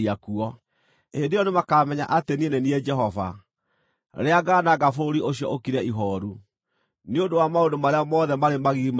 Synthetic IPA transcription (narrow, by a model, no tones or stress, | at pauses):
iakuɔ | edeɔnemakaːmɛɲa̰ʔatenienenied͡ʒɛɦɔva̰ | ɾeaɡanaɣafoɾioɕiɔ̰okiɾɛiɦɔɾu | neodowamaodomaɾeamɔðɛmaɾemaɣim